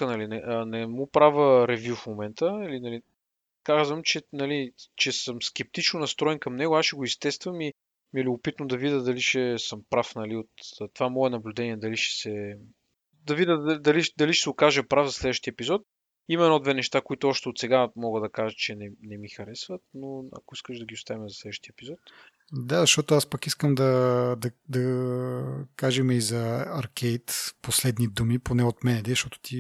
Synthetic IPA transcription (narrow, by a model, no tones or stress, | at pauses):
ənɐlinɛnɛmupɾavəɾɛvʲjufmomɛnt̪əilinɐli | kazvəmt͡ʃɛnɐlit͡ʃɛsəmsk̟ɛp̚t̪it͡ʃnʊnɐst̪ɾɔɛnkɐmnɛɡʊasʃɛɡʊist̪ɛst̪vəmi | miɛlʲʊbʊpit̪nʊd̪ɐvid̪əd̪ɐliʃɛsəmpɾafnɐliot̪t̪ːovamɔɛnɐblʲʊd̪ɛniɛd̪ɐliʃɛ̥sɛ | d̪ɐvid̪əd̪ɐlid̪ɐliʃɛ̥sɛʊkaʒəpɾavzɐslɛd̪vəʃt̪iɛpizɔt̪̚ | imɛɛnɔd̪vɛnɛʃt̪akoit̪ʊɔʃt̪ɛot̪sɛɡamɔɡəd̪ɐkaʒət͡ʃɛnɛnɛmixɐɾɛsvət̪noɐ̰koiskəʒd̪ɐɡʲiʊst̪avimɛzɐslɛd̪vəʃt̪iɛpizɔt̪ | d̪azɐʃt̪ɔt̪ʊaspəkiskəmd̪ɐd̪ɐd̪ɐ | kaʒɛmɛizɐɐɾkɛjt̪poslɛd̪nid̪umiponɛot̪mɛnɛd̪ɛzʃt̪ɔt̪ʊ̥t̪i